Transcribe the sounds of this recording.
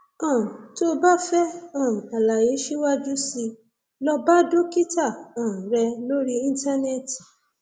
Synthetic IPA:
ɔ̃˦˨ũ˨to˦ba˦fɛ˦ɔ̃˦˨ũ˨k͡pa˨la˨je˨˦ʃi˦wa˦d͡ʒu˦si˧ | lɔ˧ba˦do˦ki˦ta˦˨ɔ̃˨ũ˨ɾɛ˧lo˦ɾi˦ĩ˧n˦ta˦nɛ˦˨ti˨

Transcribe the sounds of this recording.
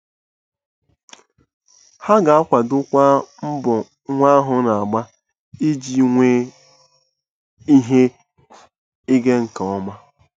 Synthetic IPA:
ha˦ɡa˨a˦kʷa˨dʊ˦kʷa˦m̩˦bʊ˨ | ŋʷa˦ɦʊ˨na˨a˨ɡ͡ba˦ | i˦d͡ʒi˦ŋʷe˦ | i˦ɦe˦ | i˦ɡe˦ŋ̩˨ka˨ɔ˦ma˦

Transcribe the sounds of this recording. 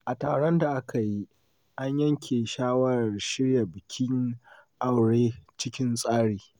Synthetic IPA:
ʔa˨taː˨ɽɔ˦nda˨ʔa˦kʰa˨ji˦ | ʔa˦ɲjɐ˦ŋkʲʰeː˨ʃaː˦wɐ˦ɾʃɪ˦ɽja˨bɪ˨kʲʰɪ˦ŋʔa˦˨wɽeː˦t͡ʃɪ˦kʲɪ˦nsʼaː˦ɽiː˨

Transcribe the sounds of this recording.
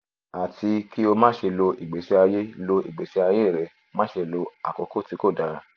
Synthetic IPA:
a˨ti˧ki˦o˧mã˦ʃe˧lo˧i˨ɡ͡be˨˦se˧˦a˧je˦lo˧ḭ˨ɡ͡be˨˦se˦a˧je˦i˦˨ɾɛ˨˧ | mã˦ʃe˧lo˧a̰˨kɔ˨˧˦ko˦˨ti˨˧˦ko˦˨da˨˦ɾa˧˦

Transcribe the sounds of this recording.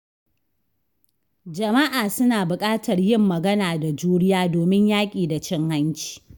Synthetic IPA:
d͡ʒɐ˨mɐ˦ʔaː˨sʊ˦naː˨bʊ˨kʼaː˦tɐ˨rjɪ˦˨mːɐ˨ɡɐ˦naː˨da˨d͡ʒuː˦ɽɪ˦jaː˦doː˨mɪ˦ɲjaː˦kʲʼiː˨da˨t͡ʃɪ˦ŋha˦nt͡ʃi̥ː˨

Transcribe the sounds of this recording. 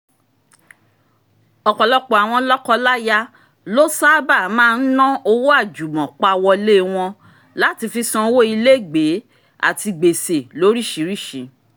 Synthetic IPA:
ɔ˨k͡pɔ˨lɔ˧k͡pɔ˨a˨w̃ɔ̃˧lɔ˦kɔ˧la˦ja˧ | lo˦sa˦ba˦˨mãː˦˧n̩˦nɔ̃˦o˧wo˦a˦˨d͡ʒu˨mɔ̃˨k͡pa˧wɔ˧le˦w̃ɔ̃˧ | la˦ti˧fi˧sɔ̃˧˦wo˦i˧le˦˨ɡ͡be˨˦ | a̰˦˨ti˧ɡ͡be˨se˨lo˨˦ɾi˦˨ʃi˨˦ɾi˦˨ʃĩ˨˦

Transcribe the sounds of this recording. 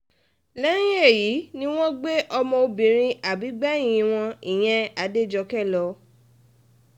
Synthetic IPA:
lɛ̃˦ĩ˦e˦˨ji˨˦nĩ˦w̃ɔ̃˦ɡ͡be˦ʔɔ˧mɔ̃˧o˧bĩ˨ɾ̃ĩ˧ʔa˨bi˨˦ɡ͡bã˦˨ĩ˨˧˨w̃ɔ̃˧i˨j̃ɛ̃˧a˨˦de˦˨d͡ʒɔ˧kɛ˦˨lɔ˧˦

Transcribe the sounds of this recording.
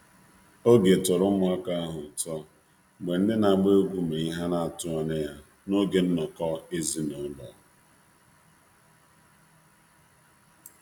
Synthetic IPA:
o˦ɡe˨tʊ˨ɾʊ˦mʊ˦˨a˦ka˦a˦ɦʊ˨tɔ˦˨ | ɡ͡be˨n̩˦dɪ˦na˨ɡ͡be˦ɡʷu˦me˨i˦ɦa˦na˨a˨tʊ˦ɔ˨ne˦ja˦ | no˦ɡe˨n̩˦nɔ˨kɔ˦e˦zi˦no˨˦lɔ̰˨

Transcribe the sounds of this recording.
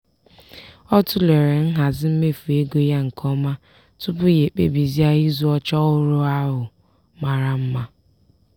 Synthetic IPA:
ɔ˦tʊ˦le˨ɾe˨n̩˦ɦa˨zɪ˦m̩˦me˦fu˨e˦ɡo˦ja˦ŋ̩˨kʰɔ˦ma˦ | tʊ˦pʊ˦je˨k͡pḛ˦bi˨zi˦a˦i˦zu˦ɔ˦t͡ʃɔ˦ʊ˦ɾʊ˦a˦ɦʊ˨ | ma˨ɾa˨m̩˦ma˦

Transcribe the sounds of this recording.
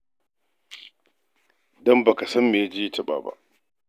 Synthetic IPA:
dɔ˦mba˨ka˨sɐ˦mːe˨a˦d͡ʒɪ˦jtɐ˦ɓa̰ː˨ba̰˦ʔ

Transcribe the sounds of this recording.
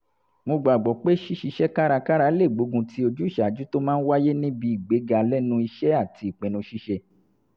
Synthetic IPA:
mõ˧ɡ͡ba˨ɡ͡bɔ˨k͡pe˦ʃi˦ʃi˧ʃɛ˦ka˦ɾa˧ka˦ɾa˧˨le˦˨ɡ͡bo˨˦ɡũ˧tʰi˦o˧d͡ʒu˦i˦˨ʃa˨d͡ʒu˨˦to˦mãː˦˧n̩˦wa˦je˦nĩ˦bi˧˦i˦˨ɡ͡be˨˦ɡa˧lɛ˦nũ˧˦i˧ʃɛ˦a˦˨ti˧i˨k͡pẽ˨nũ˧ʃi˧˦ʃɛ˧

